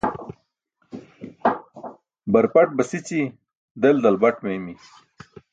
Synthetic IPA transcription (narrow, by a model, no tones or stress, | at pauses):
bɐɾpɐʈ̚bɐsit͡ɕi | d̪eld̪ɐlbɐʈmemi